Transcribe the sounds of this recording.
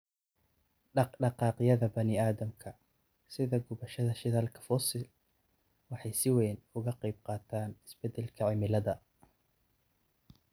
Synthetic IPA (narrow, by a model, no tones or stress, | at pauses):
ɖɑɖɑqɑːqɪjɐðɐbɐnɪaːðɐmkʰɐ | sɪðɐɡʊβɐʃɐðɐʃɪðaːlkʰɐ̥fɔsɪl | wɑħɑjsɪwɛːnʊɣɐqɑjb̚qɑːt̪ʰaːnɪsb̥ɛd̪ɛlkʰɐʕɪmɪlɐðɐ